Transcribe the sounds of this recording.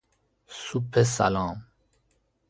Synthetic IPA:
supʰesa̰lãːm

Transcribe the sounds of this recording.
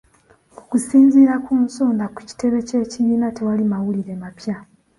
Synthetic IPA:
okusiːnziɾakuːnsoːndaku̥ci̥te̞βe̞ce̞ːciβiːnate̞walimawuliɾe̞mapja

